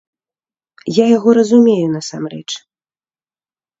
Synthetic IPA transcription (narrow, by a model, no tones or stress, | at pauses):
jajaɣɔɾɐzumʲejun̪ɐsamrɛ̰t͡ʂ